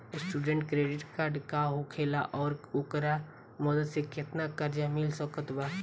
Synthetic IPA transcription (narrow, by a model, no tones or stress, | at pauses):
ɪsʈuːɖə̃ɳʈkɾeːɖɪʈkaːɾɖkaɦʊkʰeːla̰ʔɔːɾʊkɾa | mɔd̪əd̪sekɪt̪nakəɾd͡ʒamɪlsəkət̪baː